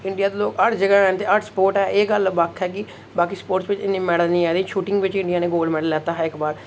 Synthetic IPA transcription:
ɪ̃ɳɖijaːd̪eːloːkəʈd͡ʒəɡɛːɛːnt̪eːəʈspoːɾʈɛːʔeːɡəlbakʰɛːkɪ | baːkiːspoːʈsʋɪt͡ʃɪnẽːmɛːɽəlnĩːɛːd̪ĩːʃuːʈɪ̃ŋɡʋɪt͡ʃɪ̃ɳɖijaːneːɡoːlmɛːɖəllɛːt̪aːɦəɪkbaːɾ

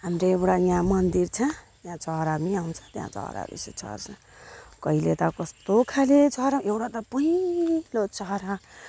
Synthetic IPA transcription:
ɦamɾeewɽajjãmʌnd̪irt͡sʰʌ̃t̪jãt͡sʌɾamiaw̃t͡sʰʌ̥t̪jã̰t͡sʌ̰ɾa̰bḭset͡sʰʌ̰rt͡sʰʌ̃ | kʌilet̪ʌkʌst̪okʰaled͡zʌɾaewɽat̪ʌpʌɦilot͡sʌɦɾa

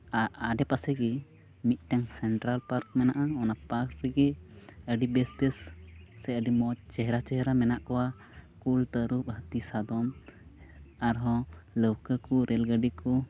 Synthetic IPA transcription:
aaɖɛpasɛɡɛ | mit̪̚ˀʈaŋsɛɳʈɾalpaɾk̚mɛnaʔaɔnapaɾkɾɛɡɛəɖibɛsbɛssɛəɖimɔt͡ʃɛɦɛɾat͡ʃɛɦɾamɛnaʔkɔwa | kult̪əɾup̚ɦət̪isad̪ɔm | aɾɦɔ̃ləwkəkɔɾʔɛlɡəɖikɔ

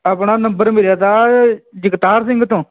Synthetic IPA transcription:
aːpɳaːnəmbəɾmɪljaːt̪aːd͡ʒəkt̪aːɾsɪŋɡt̪õː

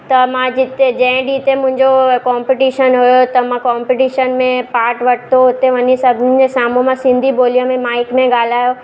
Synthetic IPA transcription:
t̪ɐmãd͡ʑɪt̪ed͡ʑɐ̃ɪ̃ɖit̪emʊ̃ɦɪ̃ɲd͡ʑokaːmpɪʈiːʃənɦʊjot̪ɐmãkaːmpiʈiːʃənmẽpaːɾʈʋɐʈʰt̪oʊt̪eʋɐɲesɐbʱɪnɪɪ̆d͡ʑesaːmõmãsɪ̃nd̪ʱiboːlijõmẽmaːɪkmẽɠaːl̤aːjo

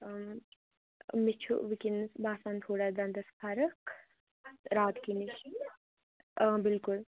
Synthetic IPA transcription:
mit͡ʃʰṵʋikinbaːsant̪ʰoːɽad̪ɐnd̪ɐspʰɐɾəkʰ | ɾaːt̪kiniʃ | bɪlkʊl

